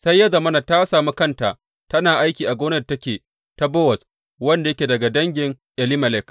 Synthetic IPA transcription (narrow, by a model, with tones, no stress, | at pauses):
sa˦jːa˦za˨mɐ˦na˨ta˦saː˨mu˦kɐ˦nta˨ʔ | tɐ˦naː˨ʔa˦jkʲiː˨ʔa˨ɡʷoː˦nɐ˦da˨tɐ˦kʲeː˨ | ta˦bɔ˦wɐ˨s | wɐ˦nda˨jɐ˦kʲe˨dɐ˨ɡa˨dɐ˦ŋɡʲɪ˨ŋ | ʔɛ˨li˦mɐ˨lɛ˦˨k